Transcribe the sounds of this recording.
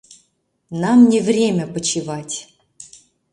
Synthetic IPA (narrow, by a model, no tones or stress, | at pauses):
namnʲɪvrʲemʲəpət͡ɕivatʲ